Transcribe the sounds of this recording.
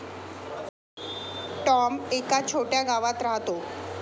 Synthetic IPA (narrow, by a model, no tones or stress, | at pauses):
ʈɔmekat͡ɕʰoʈjaɡaʋat̪ɾaɦat̪o